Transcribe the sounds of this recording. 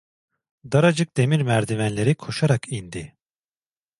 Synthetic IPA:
d̪aɾad͡ʒɯk̚d̪̥e̞miɾmæɾd̪imænlʲe̞ɾikʰo̞ʃaɾakʰind̪i

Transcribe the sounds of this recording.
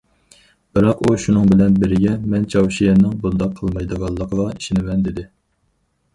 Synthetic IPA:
b̥ɨɾɑquʃunɨŋbɪlɛnbɪɾɪɡʲɛmɛnt͡ʃʰɑwʃijɛnːɪŋbolˠd̪ɑq̚qʰːəlˠmɑjd̪əʁɑlˠːəqʰəʁɑi̥ʃɪnɪmɛnd̪ɪd̪ɪ

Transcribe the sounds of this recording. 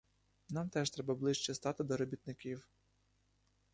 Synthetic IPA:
nɑmt̪ɛʃt̪ɾɛbɐblˠɪʃt͡ʃɛst̪ɑt̪ɪd̪ɔɾɔbʲit̪nɪkʲiw

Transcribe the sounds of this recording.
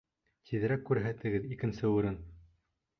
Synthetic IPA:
t̪ʰiðɘ̆ɾækːʉɾɦæt̪ɘ̆ɡɘðikɘ̆nsɘʉɾɘn

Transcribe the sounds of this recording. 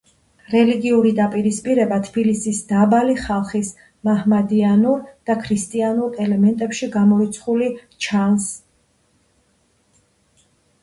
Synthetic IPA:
ɾɛliɡiuɾid̪apʼiɾispʼiɾɛbat̪ʰb̥ilisisd̪̥abaliχalˠχis | mahmad̪ianuɾd̪̥akʰɾist̪ʼianuɾɛlɛmɛnt̪ʼɛpʃiɡamɔit̪sʰχuli | t͡ʃʰans

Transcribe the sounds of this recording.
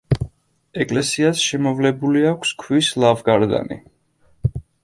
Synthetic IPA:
ɛkʼlɛsiasʃɛmɔvlɛbuliakʷʰskʰwislavɡaɾd̪a̰nḭ

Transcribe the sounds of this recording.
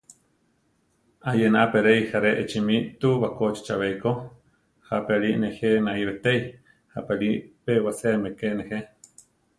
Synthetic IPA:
ajenaʔapeɾejhaɾeʔet͡ʃimit̪uβakot͡ʃi̥t͡ʃaβeiko | hapeaɾiʔnexenaʔiβet̪ej | hapeɾipewaseamekeʔnehe

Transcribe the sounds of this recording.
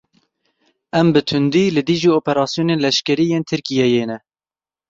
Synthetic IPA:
ɛmbɨt̪ʰʊnd̪iːlɨd̪iʒiːoːpɛɾɑːsjoːneːnlɛʃkɛɾiːjeːnt̪ʰɨɾkijɛjeːnɛ

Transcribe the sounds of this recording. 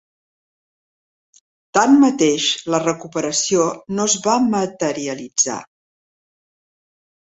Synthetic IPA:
t̪anmət̪eʃlərəkupəɾəsionozβamət̪əɾiəlid͡za̰

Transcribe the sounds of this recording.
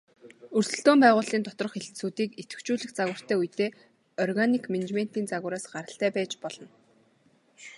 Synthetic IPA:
ɵrsɘ̆ɬt̪oːmpæːʁʊːɮiːnt̪ɔt̪rɞ̆χeɮt̪suːt̪iːket̪ɡɘ̆kt͡ɕuːɮɘ̆xt͡saɣwə̆r̥t̪ʰæːujt̪eː | ɔrɣanikmenet͡ɕmen̥t̪iːnt͡saɣʊɾaːsɢaɾə̆ɬt̪æːpæːt͡ɕpɔɮ̥ɞ̆n

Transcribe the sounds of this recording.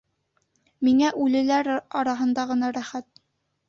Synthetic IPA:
miŋæʔʉlɘ̆læɾɑɾɑɦɤ̆nd̪ɑʁɤ̆nɑɾæχæt̪̚

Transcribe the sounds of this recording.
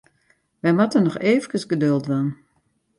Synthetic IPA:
ʋɛjmatənɔxeːvəkəsɡədølˠtʋan

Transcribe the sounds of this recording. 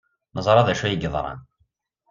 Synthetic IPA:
nəzˤɾˤɑðæʃæjəɡəðˤɾˤɑ̰n

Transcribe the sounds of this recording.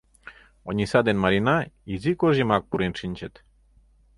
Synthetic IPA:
oɲʲisad̪enmaɾinaizikoʒimak̚puɾinʂinʲt͡ʃet̪

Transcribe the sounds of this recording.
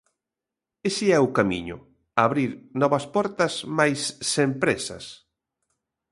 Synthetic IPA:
esɪɛʊkamḭɲʊ̰ | aβɾiɾnɔβɐspɔɾt̪ɐsmajsːempɾesɐ̰s

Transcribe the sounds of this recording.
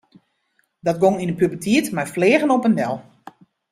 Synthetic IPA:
dɔt̚ɡoŋinəpybəltʰiətmajfleːɣənɔpəndɛlˠ

